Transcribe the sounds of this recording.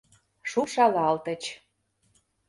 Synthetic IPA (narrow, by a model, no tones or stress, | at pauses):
ʃuʃɑlɑlt̪ə̆t͡ɕ